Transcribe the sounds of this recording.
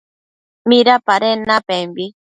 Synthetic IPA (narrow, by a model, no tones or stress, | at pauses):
miɾapaɾenapembi